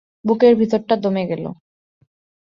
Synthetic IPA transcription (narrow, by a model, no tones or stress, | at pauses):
bukeɾbʱit̪oɾʈad̪omeɡɛlo̰